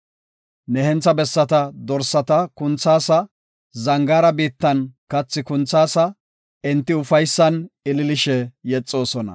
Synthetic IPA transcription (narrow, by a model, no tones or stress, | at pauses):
nɛhɛnt͡sːɐbɛsːɐt̪ɐd̪ɔɾsːɐt̪ɐkʊnt͡sːaːsɐ | zɐŋɡaːɾɐbiːt̪ːɐnkɐt͡sːɪkʊnt͡sːaːsɐ | ɛnt̪ːɪʊfɐjsːɐnɪlɪlɪʃɛjɛt͡sʼːo̞ːsɔnɐ̰